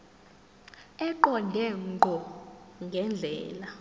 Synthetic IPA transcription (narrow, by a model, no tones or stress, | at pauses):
ɛǃɔndʱɛŋŋ͡ǃʱɔŋɡʱɛnd͡ɮʱɛːla